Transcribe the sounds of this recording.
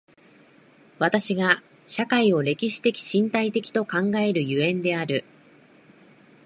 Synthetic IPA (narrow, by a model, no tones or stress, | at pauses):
βat̪aɕiɡa | ɕakaio̞ɾe̞kʲiɕi̥t̪e̞kʲi̥ɕĩnt̪ait̪e̞kʲi̥t̪o̞kãŋɡae̞ɾɯ̟jɯẽ̞nd̪e̞aɾɯ̟